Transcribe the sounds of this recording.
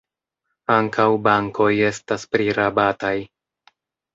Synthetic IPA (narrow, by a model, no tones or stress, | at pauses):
aŋkʰawbaŋko̞je̞staspɾiɾabataj